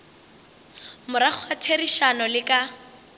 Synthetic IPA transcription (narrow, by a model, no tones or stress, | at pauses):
mʊɾak͡xʰwatʰeriʃanɔlɪkʼa